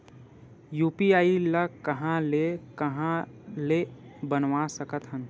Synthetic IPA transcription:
juːpiaːiləkəɦãlekəɦãlebənʋasəkət̪ɦən

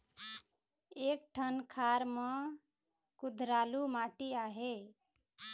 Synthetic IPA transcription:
ek̚ʈʰənkʰaɾmʌ̃ | kud̪ʱɾalumaʈiaɦe

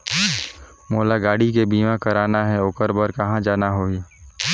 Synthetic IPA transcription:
moːlaɡaːɽik̬ebiːmãkɐɾaːnaɦɛʊkəɾbəɾkɐɦãd͡ʒaːnaɦoːi

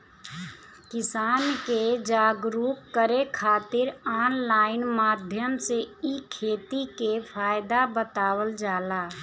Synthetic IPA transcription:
kɪsaːnked͡ʒaːɡɾukkːəɾekʰaːt̪ɪɾaːnlaːɪnmaːd̪ʱjəmseikʰeːt̪ikepʰaːɪd̪abət̪aːwəld͡ʒaːlaː

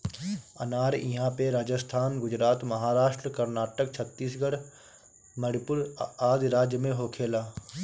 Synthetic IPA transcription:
ə̰naːɾḭ̃ɦãpeɾaːd͡ʒəst̪ʰaːnɡʊd͡ʒɾaːt̪məɦaːɾaːʃʈɾəkəɾnaːʈək̚t͡ʃʰət̪ːiːsɡəɽ | məɽɪpʊɾaːd̪ɾaːd͡ʒjəmẽɦoːkʰeːlaː

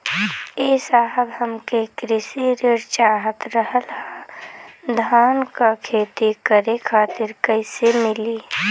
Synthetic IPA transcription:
eːsaːɦəbɦəmkekɾɪsiɾeɾt͡ʃaːɦət̪ɾəɦəlɦa | d̪ʱaːnkakʰeːt̪ikəɾekʰaːt̪ɪɾkəɪsemɪliː

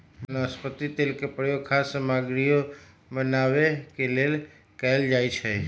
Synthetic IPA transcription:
bnaspət̪it̪elkepəɾjokʰasəmaɡɾijo | bənaʋekelel | kəeld͡ʒajt͡ʃʰe

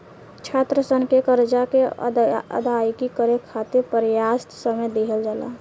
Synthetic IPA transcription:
t͡ʃʰat̪ɾəsənkekəɾd͡ʒake | ə̰d̪ajkikəɾekʰat̪iɾpəɾejast̪səmed̪eɦəld͡ʒala̰

